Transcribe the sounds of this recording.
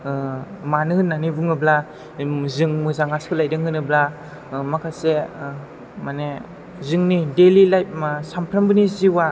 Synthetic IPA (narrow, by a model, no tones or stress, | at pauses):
manɯɯnːanibuŋɯbla | zɯŋmɯzaŋaskʰɯlajdɯŋɯnɯbla | makʰase | mane | zɯŋnidelilajp̚masampʰɾambɯniziwa